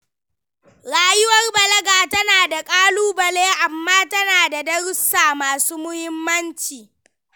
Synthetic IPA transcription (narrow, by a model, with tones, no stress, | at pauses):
ɾaː˦jʊ˦wɐ˦rbɐ˨lɐ˦ɡaː˨tɐ˦naː˨da˨kʼaː˦luː˦bɐ˨leː˦ʔa˨mːaː˦tɐ˦naː˨da˨dɐ˦ɽʊ˦sːaː˨maː˨suː˦mʊ˦hɪ˦mːɐ˦nt͡ʃiː˨